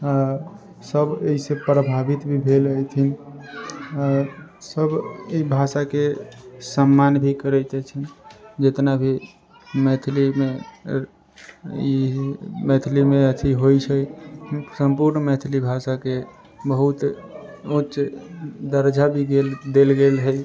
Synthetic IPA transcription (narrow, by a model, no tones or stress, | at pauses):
a | səbeɦisepɾəbʱabit̪bʱibʱeləjt̪ʰin | asəbibʱasakesəmːanbʱikəɾɛt̪ɛt͡ʃʰind͡ʒet̪nabʱi | mɛt̪ʰlime | imɛt̪ʰlimeət̪ʰiɦojt͡ʃʰəjsəmpuɾnmɛt̪ʰlibʱasake | bəɦut̪ | utːʃd̪əɾd͡ʒʱabʱiɡeld̪elɡelɦəj